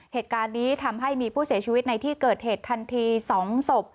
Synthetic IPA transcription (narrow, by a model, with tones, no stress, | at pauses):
heː˨˩t̪̚kaː˧nːiː˦˥t̪ʰa˧mɦa˥˩jmiː˧pʰuː˥˩si˩˦t͡ɕʰiː˧wt̪̚na˧jt̪ʰiː˥˩kɤː˨˩t̪̚heː˨˩t̪ʰːa˧nt̪ʰiː˧sɔː˩˦ŋso˨˩p̚